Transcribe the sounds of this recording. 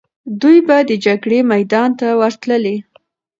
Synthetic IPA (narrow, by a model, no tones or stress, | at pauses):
d̪ujbad̪əd͡ʒaɡɽemajd̪ɑnt̪awaɾt̪ləle